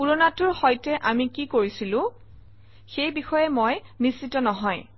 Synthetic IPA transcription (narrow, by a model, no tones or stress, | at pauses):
puɹɔnatʊɹxɔjtɛʔamikikoɹisilʊ̃ | xejbixɔjɛmojnisitɔnɔɦɔj